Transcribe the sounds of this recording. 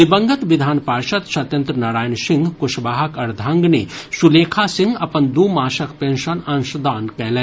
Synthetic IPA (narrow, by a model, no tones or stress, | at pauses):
ɪbɐ̃ŋɡət̪ʋɪd̪ʱaːnpaːɾʃɐt̪ʃɐt̪jɐnt̪ɾənaːɾaːjənʃɪ̃ŋɡkʊʃbaːɦɐkɐɾd̪ʱaːŋɡneʃuleːkʰasɪ̃ŋɡɐpənd̪umaːʃɐkpẽːnʃənãnʃd̪aːnkɛɦlẽ